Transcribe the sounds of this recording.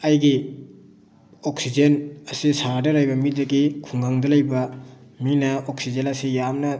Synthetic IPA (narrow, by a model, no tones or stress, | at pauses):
ɐjɡi | oksid͡ʒenɐsisadɐɾajbɐmidɐɡikʰuŋɡaŋdɐlɐjbɐminɐoksid͡ʒenɐsijamnɐ